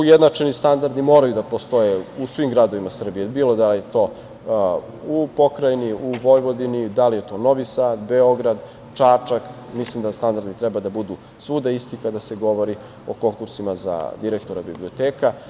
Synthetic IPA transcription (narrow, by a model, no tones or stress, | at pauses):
ujed̪nat͡ʃenist̪and̪aɾd̪imo̞ːɾajud̪apo̞st̪o̞jeusʋimɡɾad̪o̞ʋimasr̩bijebiːlo̞d̪alijet̪o̞ː | upo̞kɾajniuʋo̞jʋo̞d̪inid̪alije̞t̪o̞ːno̞ʋisaːd̪beo̞ɡɾad̪ | t͡ʂat͡ʂak | mislimd̪ast̪and̪aɾd̪it̪ɾɛbad̪abud̪u | sʋuːd̪aist̪ikad̪aseɡo̞ʋo̞ɾi | o̞ko̞ŋkuɾsimaza̰d̪iɾek̚t̪o̞ɾabiblio̞t̪eːka